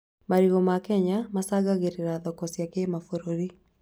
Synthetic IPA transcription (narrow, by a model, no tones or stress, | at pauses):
maɾiɣɔmakɛɲamasaɣaɣeɾeɾaðɔkɔsjakemafoɾoɾi